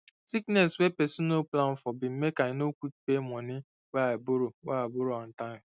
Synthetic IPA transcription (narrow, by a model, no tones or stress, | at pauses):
siknɛswepɛsunoplaɱ̩fɔbɪm̩mekaɲɪnokʷutu̥pemɔnɪ | waboɾowabʊɾoan̩taɾɪ